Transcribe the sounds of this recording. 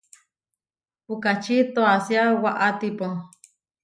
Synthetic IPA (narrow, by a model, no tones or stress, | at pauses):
pukat͡ʃit̪oasjawaʔat̪ipoŋ